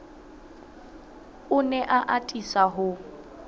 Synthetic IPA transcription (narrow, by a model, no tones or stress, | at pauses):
ʊnɛʔaʔatʼisaɦʊ